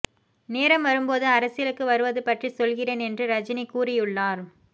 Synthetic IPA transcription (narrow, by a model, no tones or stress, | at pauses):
neːɾɐmʋɐɾɯmpoːðɯɐɾɐsɪjɐlɯkːɯʋɐɾɯʋɐðɯpɐʈrisɔlɣɪreːnɛndrɯɾɐd͡ʒɪnikːuːrɪjɯɭːaːɾ